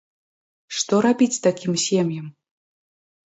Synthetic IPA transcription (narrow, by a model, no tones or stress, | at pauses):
ʂt̪ɔɾabʲit͡sʲst̪akʲimsʲemjɛm